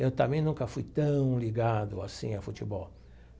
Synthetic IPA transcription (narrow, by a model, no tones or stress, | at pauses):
ewt̪ɐ̃mẽj̃nũŋkɐfujt̪ɐ̃w̃liɡad̪ʊasḭ̃afut͡ʃibɔw